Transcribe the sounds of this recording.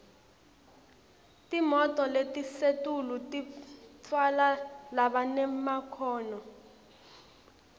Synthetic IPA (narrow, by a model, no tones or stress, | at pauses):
tʼimɔtʼɔletʼisetʼulutʼitʰwalalaɓanɛmakʰɔːnɔ